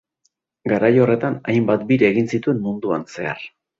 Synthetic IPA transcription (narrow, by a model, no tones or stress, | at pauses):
ɡaɾajo̞re̞t̪anajmbat̪biɾeeːɣinsit̪ue̞mmund̪uanse̞a̰r